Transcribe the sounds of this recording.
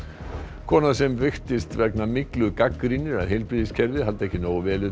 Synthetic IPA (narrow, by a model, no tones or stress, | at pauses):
kʰɔːnasɛmvɪxt̪ɪst̪vɛknamɪklʏðkakːɾinɪɾaɾɦɛjlpɾiːðɪscʰɛɾvɪɦalt̪aɛhcːɪnoːwvɛːlɪ